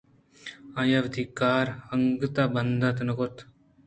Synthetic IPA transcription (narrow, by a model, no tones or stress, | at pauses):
ãːjaʋd̪ʱikaːɾəŋɡət̪aːbənd̪at̪nəkot̪